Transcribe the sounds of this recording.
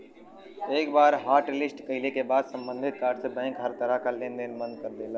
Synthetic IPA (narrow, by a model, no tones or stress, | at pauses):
eːkbaːɾɦaːɾʈlɪsʈkəɪlekebaːd̪sə̃mbə̃nd̪ʱɪt̪̚kaːɾʈsebɛ̃ːŋkɦəɾt̪əɾəɦkalẽnd̪enmə̃nd̪̚kəɾd̪eːla